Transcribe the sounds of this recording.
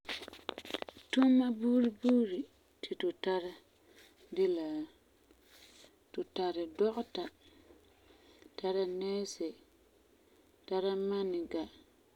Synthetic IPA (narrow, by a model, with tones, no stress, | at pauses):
tu˦mːa˦buː˦ɾi˦buː˦ɾi˨ | tɪ˨tʊ˨ta˦ɾa˦ | dɪ˦la˨ | tʊ˨ta˨ɾɪ˨dɔ˦ʔʊ˦ta˨ | ta˦ɾa˦nɛː˦sɛ˨ | ta˦ɾa˦ma˦nɪ˨ɡa˨